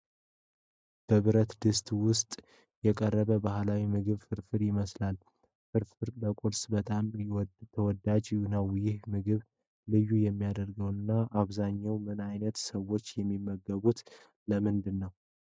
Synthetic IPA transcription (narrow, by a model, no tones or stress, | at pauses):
b̥əβɨɾət̪d̪ɨst̪ʼwʊst̪ʼ | jɛkʼərːəβəbahlawimɨɡɨβfɨɾfɨɾjɪməslal | fɨɾfɨɾləkʼuɾsbət̪ʼamjwt̪ʰəwɔd̪ad͡ʒunawjɪhmɨɡɨβ | lɨjːujɛmːijad̪əɾɡəwɨnːaʔaβzaɲːawmɨnajnət̪səwo̞t͡ʃːjɛmːimːəɡːəβut̪ | ləmɨnd̪ɨnːəw